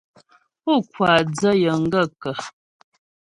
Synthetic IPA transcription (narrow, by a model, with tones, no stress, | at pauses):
u˦kwa˨d͡zə˦jə˨ŋ̩˦ɡə˦˨kə˨